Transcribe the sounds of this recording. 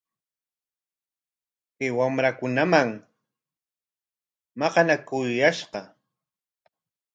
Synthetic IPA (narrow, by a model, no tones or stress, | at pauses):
kɪwamɾakʊnamaŋ | mɑqɑnakʊjjaʃqɑ